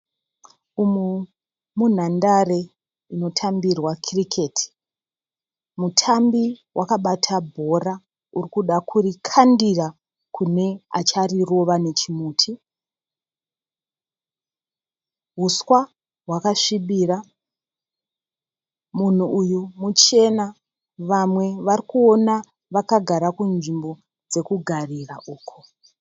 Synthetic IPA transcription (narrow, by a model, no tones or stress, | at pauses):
umu | mun̤andare̞ | ino̞tʰambirwakʰrikʰe̞tʰi̥ | mutʰambiwʔakaɓatʰabʱo̞ra | urikuɗakʰuɾikʰandira | kʰune̞a̰t͡ʃariro̞ʋane̞t͡ʃimuːtʰi | ɦuswa | ɦwakaʂiɓiːra | mun̤uujumut͡ʃe̞na | ʋamwe̞ʋarikuo̞na | ʋakaɡʱaɾakunʐimbo̞ | d͡ze̞kuɡʱariraʔuːkʰo̥